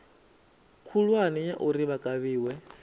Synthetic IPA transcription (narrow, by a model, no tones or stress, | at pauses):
kʰulwanijaʔuɾiβakʼaβiːwɛ